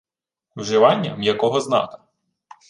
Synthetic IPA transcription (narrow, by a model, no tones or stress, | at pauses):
wʒɪʋɑnʲːɐ̰mjɐkɔɦɔznɑ̰kɐ̥